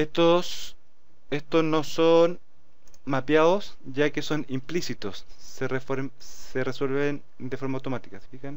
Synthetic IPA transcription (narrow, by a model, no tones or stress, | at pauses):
et̪os | est̪osnoson | mapjaðosʝakeso̞nimplisit̪osːerefɾsereswe̞lβen | d̪efo̞ɾmaːwt̪o̞mat̪ikase̥fixan